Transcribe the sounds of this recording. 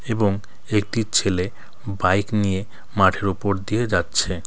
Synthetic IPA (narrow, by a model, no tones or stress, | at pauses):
eboŋ | ek̚ʈit͡ɕʰele | bajknije | maʈʰeɾupoɾd̪ied͡ʑatːɕʰe